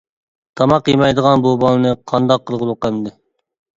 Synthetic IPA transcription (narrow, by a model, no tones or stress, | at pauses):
t̪ʰɑmɑqjimɑjd̪əʁɑnbubɑnˠɨnɨqʰɑnd̪ɑqʰːəlˠʁəlˠuqæmd̪ɪ